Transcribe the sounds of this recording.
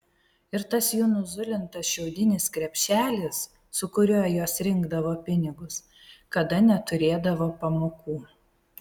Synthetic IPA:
ɪɾt̪ɐsjuːnʊzʊlʲɪnt̪ɐsʃʲɛʊd̪ʲɪnʲɪskɾʲɛpʲʃʲæːlʲɪsː | ʊkʊɾʲuːjjoːsɾʲɪŋɡd̪ɐʋoːpʲɪnʲɪɡʊs | kɐd̪ɐnʲɛt̪ʊɾʲeːd̪ɐʋoːpɐmoːkuː

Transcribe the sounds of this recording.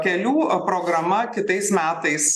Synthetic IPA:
kʲɛlʲuːpɾoːɡɾɐmɐkʲɪt̪ɐɪsmʲæːt̪ɐɪs

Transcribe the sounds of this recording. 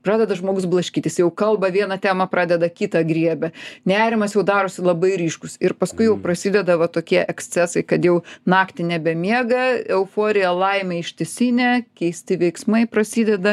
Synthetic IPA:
prɑːd̪ʲɛd̪ɐʒmoːɡʊsblˠɐʃʲkʲiːt̪ʲɪsjɛʊkɐlˠbɐʋʲiɛnɐt̪ʲæːmɐpɾɑːd̪ʲɛd̪ɐkʲiːt̪ɑɡɾʲiɛbʲɛnʲæːɾʲɪmɐsjɛʊd̪ɑːɾoːsʲɪlˠɐbɐɪɾʲiːʃkʊsɪɾpɐskʊɪjɛʊprɐsʲiːd̪ʲɛd̪ɐʋɐt̪oːkʲiɛʔɛksʲt͡s̪ʲɛsɐɪkɐt̪jɛʊnɑːkt̪ʲɪnʲɛbʲɛmʲiɛɡɐɛʊfoːɾʲɪjɛlˠɐɪmʲɛɪʃʲt̪ʲɪsʲinʲɛkʲɛɪsʲt̪ʲɪʋʲɛɪksmɐɪpɾɐsʲiːd̪ʲɛd̪ɐ

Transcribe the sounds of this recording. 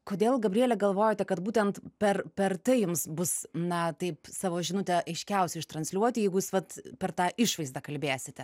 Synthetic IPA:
koːd̪ʲeːlˠɡɐbʲrʲiiɛlʲɛɡɐlˠʋoːjot̪ʲɛkɐt̪buːt̪ʲɛnt̪pʲɛrpʲɛrt̪ɐɪjʊmsbʊsnɐt̪ɐɪpsɑːʋoːʒʲɪnʊt̪ʲɛʔɐɪʃʲkʲɛʊsʲɛɪʃt̪ɾɐnʲsʲlʲuɔt̪ʲɪjɛɪɡʊjːsʋɐt̪pʲɛrt̪ɑːʔɪʃʋɐɪzd̪ɐkɐlʲbʲeːsʲɪt̪ʲɛ

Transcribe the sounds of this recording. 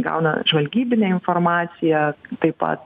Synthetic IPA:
ɡɐ̰ʊnɐ̰ʒʋɐlʲɡʲiːbʲɪnʲɛɪnfoːrmɑːt̪sʲɪjɛt̪ɐɪpɐ̰t̪

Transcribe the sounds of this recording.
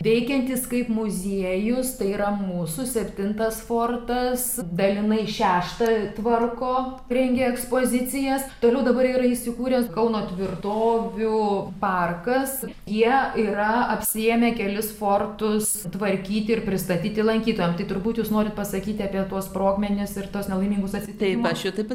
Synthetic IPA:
ʋʲɛɪkʲɛnʲt̪ʲɪskɐɪpmʊzʲiɛjʊst̪ɐɪiːɾɐmuːsʊsʲɛpʲt̪ʲɪnt̪ɐsfoːrt̪ɐsd̪ɐlʲɪnɐɪʃʲæːʃt̪ɐt̪ʋɐrkoː | ɾʲɛŋʲɡʲeɛkspoːzʲɪt͡sʲɪjɛst̪oːlʲɛʊd̪ɐbɐɾiːɾɐiʃʲsʲɪkuːɾʲɛskɐlʊnoːt̪ʲʋʲɪrt̪oːʋʲʊpɐrkɐs | jiɛiːɾɐɐpʲsʲɪeːmʲekʲɛlʲɪsfoːrt̪ʊs | t̪ʋɐɾʲkʲiːt̪ʲɪɪrpʲɾʲɪst̪ɐt̪ʲiːt̪ʲɪlˠɐŋʲkʲiːt̪oːjɛmt̪ɐɪt̪ʊɾbuːt̪juːsnoːɾʲɪt̪̚pɐsɐkʲiːt̪ʲɪɐːpʲiɛt̪uɔspɾoːkmʲɛnʲɪsɪrt̪uɔsnʲɛlˠɐɪmʲiːŋɡʊsɐt̪ʲsʲɪt̪ʲmɐʃʲɪt̪ɐɪp

